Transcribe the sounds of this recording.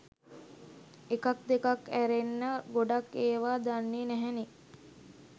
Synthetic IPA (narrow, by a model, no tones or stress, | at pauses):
ekak̚d̪ekakæɾenːəɡoɖakeːʋaːd̪anːenæɦæni